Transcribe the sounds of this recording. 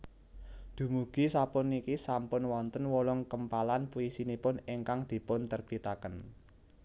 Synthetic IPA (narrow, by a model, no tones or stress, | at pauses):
d̪̥ṳmuɡ̥i̤sapʊnikisampʊnwɔnt̪ənwɔlɔŋkəmpalanpujisinipʊniŋkaŋd̪̥i̤pʊnt̪ərpit̪akən